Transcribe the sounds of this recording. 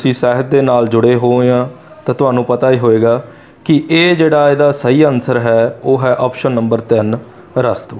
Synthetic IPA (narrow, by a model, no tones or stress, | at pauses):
sĩːsɛːɦət̪̚d̪eːnaːld͡ʒʊɽeːɦoːãː | t̪ãːt̪ʊɦaːnũːpət̪aːiːɦoːeːɡaː | kɪʔeːd͡ʒeːɽaːeːd̪aːsəiːənsəɾɦɛːoːɦɛːʔɔːpʃənːəmbəɾt̪ɪn | ɾəst̪oː